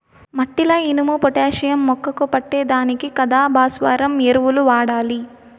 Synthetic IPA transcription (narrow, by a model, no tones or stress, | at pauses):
mɐʈːilɐinumupɔʈeːʃɐjɐmːɔkːɐkupɐʈːeːd̪aːnikikɐd̪aːbʱaːsʋaːɾɐmeɾuʋuluʋaːɽaːli